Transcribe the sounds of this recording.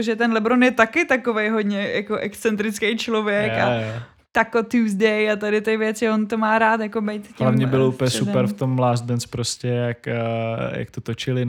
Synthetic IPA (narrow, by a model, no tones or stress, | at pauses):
ʒɛt̪ɛnlɛbɾonjɛt̪akɪt̪akovejɦod̪ɲɛjakoʔɛkst͡sɛnt̪ɾɪt͡skejt͡ʃlovjɛka | t̪akot̪uzdɛjat̪adɪt̪ɪvjɛt͡sɪont̪omaːɾaːt̪jakobejt̪tlamɲɛbɪloʔupɛsupɛɾft̪omːlaːzdɛnt͡spɾoscɛjakja̰k̚t̪ot̪ot͡ʃɪlɪ